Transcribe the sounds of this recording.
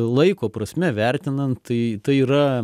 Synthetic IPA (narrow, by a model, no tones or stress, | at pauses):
lˠɐɪkoːpɾɐsʲmʲɛʋʲɛɾʲt̪ʲɪnɐnt̪t̪ɐɪt̪ɐɪiːɾɐ